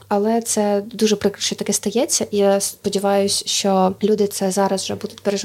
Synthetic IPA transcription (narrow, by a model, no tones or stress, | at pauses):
ɐlˠɛt̪sɛd̪uʒɛpɾɪkɾɐʃt͡ʃɔt̪ɐkɪst̪ɐjɛt͡sʲːɐʔijaspɔdʲɪʋɑjʊsʲʃt͡ʃɔlʲud̪ɪt̪sɛzɑɾɐzʒɛbud̪ʊtʲpeɾe